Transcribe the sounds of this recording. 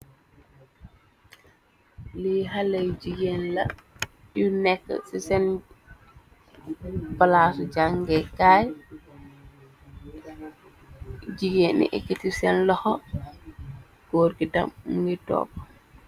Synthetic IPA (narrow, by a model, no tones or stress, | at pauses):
liɦalejd͡ʒiɡenlɐ̰ | junɛkːsisɛn | balaːsud͡ʒaŋɡɛkaj | d͡ʒiɡenḭʔɛ̰kitisɛnlɔhɔ | ɡɔːɾɡida̰mɡitɔ̰ːp